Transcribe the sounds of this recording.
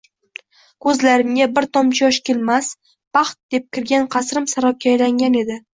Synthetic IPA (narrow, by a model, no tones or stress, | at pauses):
kʰɵzlaɾɪmɡʲabɪɾt̪ʰɒmt͡ʃʰɪjɒʃkʲelmas | b̥ɑχt̪̚d̪̥e̞p̚kʲɪɾɡʲanqʰɑsɾɪmsaɾɒp̚kʲʰːajlaŋɡʲane̞d̪ɪ